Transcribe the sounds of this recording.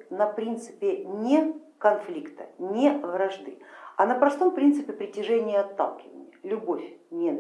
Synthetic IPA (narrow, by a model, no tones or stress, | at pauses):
nɐpɾʲint̪sɨ̥pʲɪnʲe | kɐnflʲikt̪ənʲevɾɐʐd̪ɨɐnəpɾɐst̪o̞mpɾʲint̪sɨpʲɪpɾʲɪtʲɪʐɛnʲɪjəɐt̪ːa̰lˠkʲɪvə̰nʲɪ̰jəlʲʊbofʲnʲe